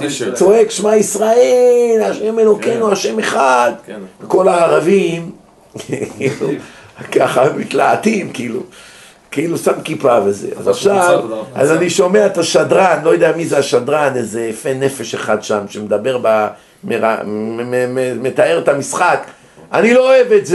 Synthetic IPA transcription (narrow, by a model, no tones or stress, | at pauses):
t͡so̞e̞kʃmaisʁaelaʃeme̞lo̞kenuaʃe̞meχad̪veko̞laːʁavim | kkkilukaχamit̪laːt̪imkiilṵ | kilusamkipaveze̞̰ʔa̰zaχʃava̰zaniʃo̞meaet̪aʃad̪ʁanlo̞jod̪ejamizeaʃad̪ʁanezefene̞fe̞ʃeχad̪ʃamʃemed̪abe̞ʁba | meʁa̰ | met̪aeʁet̪amisχak | anilooevetze